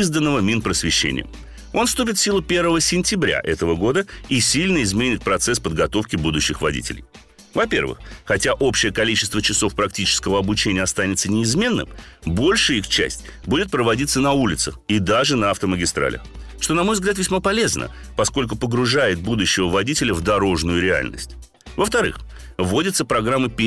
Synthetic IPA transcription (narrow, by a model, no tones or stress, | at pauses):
zd̪ənːəvəmʲinpɾəsvʲɪɕːḛnʲɪ̰jə̰ | o̞nfst̪up̬ʲɪt̪fsʲilˠʊpʲe̞rvəvəsʲɪnʲtʲɪbɾʲa̰ʔɛt̪əvəɡo̞d̪əisʲilʲnəɪzmʲenʲɪt̪̚pɾɐt̪sɛspəd̪ɡɐt̪o̞fkʲɪbud̪ʊɕːɪxvɐ̰dʲḭtʲɪ̰lʲɪ̰j | vɐpʲe̞̰rvɨ̰xːɐtʲaʔo̞pɕːɪjəkɐlʲit͡ɕɪst̪vət͡ɕɪso̞fpɾɐk̚tʲit͡ɕɪ̥skəvəɐbʊt͡ɕenʲɪjəɐst̪anʲɪt̪sənʲɪːzmʲe̞nːɨ̰mbo̞lʲʂɨjixt͡ɕæ̰sʲtʲ | budʲɪt̪̚pɾəvɐdʲit̪sənɐulʲɪt̪səxid̪aʐɨnɐɐft̪əməɡʲɪst̪ɾa̰lʲə̰xʂt̪o̞nɐmo̞jvzɡlʲat̪vʲɪsʲmapɐlʲe̞znʔə̰ | pɐsko̞lʲkʊpəɡɾʊʐajɪt̪̚bud̪ʊɕːɪvəvɐdʲitʲɪlʲəvd̪ɐɾo̞ʐnʊjʊɾʲɪa̰lʲnə̰sʲtʲ | vəft̪ɐɾɨ̰x | vo̞dʲɪt̪səpɾɐɡɾamːɨpʲ